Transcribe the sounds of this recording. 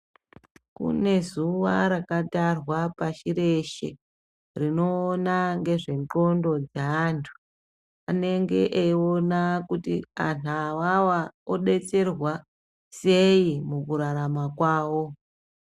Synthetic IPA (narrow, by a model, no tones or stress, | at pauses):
kṵne̞zuʋa̰ɾakatarwapaʃiɾe̞ʃḛ | rino̞ːnaŋɡe̞ʐe̞ŋǃo̞ndo̞d͡zaːntʰu̥ | a̰ne̞ŋɡe̞ʔeio̞nakutiantʰawawaoɗe̞t͡se̞rwa | se̞imukuɾaɾamakwaːwo̞